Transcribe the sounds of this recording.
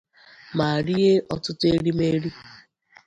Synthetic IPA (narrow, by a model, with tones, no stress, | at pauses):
ma˨ɾi˦e˦ʔɔ˨tʊ˦te˦ɾi˦me˦ɾi˦